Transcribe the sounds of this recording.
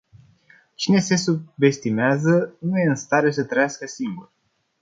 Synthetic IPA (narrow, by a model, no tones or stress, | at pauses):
t͡ʃine̞se̞sube̞st̪imeazənuje̞ɨnst̪aɾes̬ət̪ɾəjaskəsiŋɡur